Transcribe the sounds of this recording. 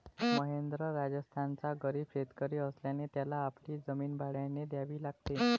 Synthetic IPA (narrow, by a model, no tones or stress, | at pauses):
məɦend̪ɾəɾad͡zəst̪ʰant͡saɡəɾiːbɕet̪kəɾiːəsljanet̪jalaːpɽiːd͡zəmiːnbaɭjaned̪jaʋiːlaɡ̚t̪e